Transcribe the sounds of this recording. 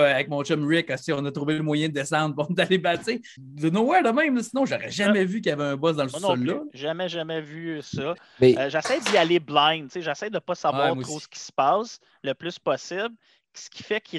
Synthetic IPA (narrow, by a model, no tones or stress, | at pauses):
avɛk̚mɔ̃t͡ʃɛmɹɪkɔsiɔ̃nət̪ʁuveləmwajɛ̃d̪əd̪esɑ̃d̪ʁpɔ̃nt̪alebasse | lənowɛd̪əmɛ̃ɪmləsinɔ̃ʒaʁɛ̰ʒamɛvyk̬ʲjavɛœ̃bɔs̬d̪ɑ̃lsñɔlːɔʒʒamɛʒamɛvysɔ | mɛʒasɛjd̪ialeblɛ̃ɪnt͡seʒasɛjd̪əpɔsavwɑːʁmw̪ʁosə̥kʲi̥sə̥pɑːs | ləplʏspɔsɪbl | sə̥kʲʰi̥fɛkʲʰi